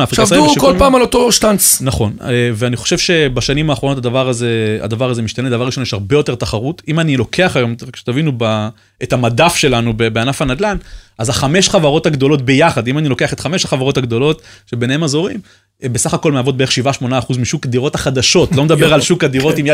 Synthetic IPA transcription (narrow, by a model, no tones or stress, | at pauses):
afʁiavukolpaːmalotoʃtant͡snaχo̞neveaniχoʃevʃe̞baʃanimaːχʁonotad̪avaʁazea̰d̪avaʁazemiʃtaned̪avaʁiʃo̞njeʃaʁbe̞jo̞t̪e̞t̪aχaʁutimanilo̞kʰe̞aχajo̞mʁakʃe̥tavinuba | etamadafʃe̞lanubebeanafanad̪lanʔazaχameʃχavaʁo̞thaɡd̪o̞lo̞t̚be̞jaχad̪imanilo̞ke̞aχe̞t̪χame̞ʃaχavaʁo̞taɡd̪o̞lo̞tʃebenee̞mazo̞ʁim | besaχako̞lmeavo̞t̚beeχʃivaʃmo̞naːχuzmiʃukad̪iʁo̞thaχad̪aʃo̞tlomed̪abeʁalʃukad̪iʁo̞t̪imj